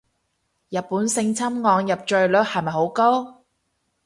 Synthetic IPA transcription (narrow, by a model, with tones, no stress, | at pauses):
jɐ˨˩t̚pːuː˨˥nsɪ˧ŋt͡sʰɐ˥mŋɔː˨˧ŋjɐ˨p̚t͡ʃɵ˨˧ɥlɵ˨˥k̚hɐ˨˧jmɐ˨jɦo˨˥wko˥w